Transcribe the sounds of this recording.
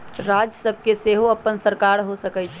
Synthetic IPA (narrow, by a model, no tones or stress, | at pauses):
ɾad͡ʒəsəb̚ʱkeseɦoəpːənsəɾkaɾɦosəkɛt͡ʃʰ